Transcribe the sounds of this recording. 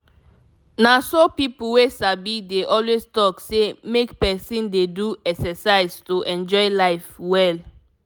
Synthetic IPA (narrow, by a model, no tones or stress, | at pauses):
nasopipuwesabideʔɔlwestɔksemekpɛsĩndeduɛksɛsaɪstuʔɛ̃nd͡ʒɔɪlaɪfwɛl